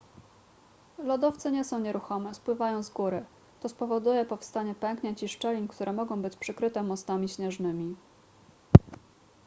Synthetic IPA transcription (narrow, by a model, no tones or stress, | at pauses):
lɔd̪ɔft̪sɘɲɛsɔ̃w̃ɲɛɾuxɔmɛspwɘvajɔ̃w̃zɡuɾɘ | t̪ɔspɔvɔd̪ujɛpɔfst̪aɲɛpɛŋkɲɛt͡ɕiʂt͡ʂɛlʲinkt̪uɾʔɛmɔɡɔ̃w̃bɘt͡ɕpʂɘkɾɘt̪ɛmɔst̪amʲiɕɲɛʐnɘmʲi